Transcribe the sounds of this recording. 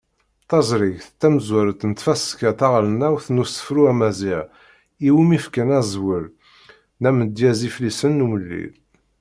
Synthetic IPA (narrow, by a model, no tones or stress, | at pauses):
t̪ɑzˤɾiʝθt̪ːæməzwæɾət̪nət̪fæskæt̪æʁlənæwθnusə̥fɾuæmæziʕ | iwimifkənæzwəl | næməd̪jæziflisənːuməlːḭl